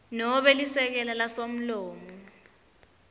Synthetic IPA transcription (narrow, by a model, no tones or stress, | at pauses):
nɔɓɛlisɛk̬ɛlalasom̩loːmu